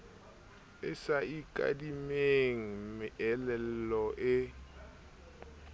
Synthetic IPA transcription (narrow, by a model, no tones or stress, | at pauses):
ɪsaikʼa̰dimeŋ̩mɪʔɛlɛl̩lɔʔɪ